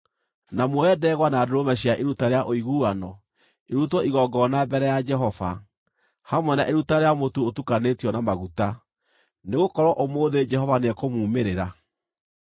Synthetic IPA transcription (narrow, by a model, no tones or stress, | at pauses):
namoɛdɛːɣwanaːdoɾomɛɕjaʔeɾutaɾeaʔoiɣuːanɔ | eɾutwɔiɣɔɡɔnabɛɾɛjad͡ʒɛɦɔva̰ | hamwɛnaʔeɾutaɾeamotuotukanetiɔnamaɣuta | neɣokɔɾwɔʔomoːðed͡ʒɛhɔvaneɛkomuːmeɾeɾa